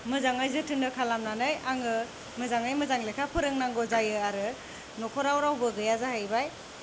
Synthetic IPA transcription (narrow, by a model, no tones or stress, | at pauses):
mɯzaŋajzɯtʰɯndɯkʰalamnanɯjaŋɯ | mɯzaŋajmɯzaŋlekʰapʰɯɾɯŋnaŋɡɔzajɯaɾɯ | nɔkʰɔɾawɾawbɯɡɯjazahajbaj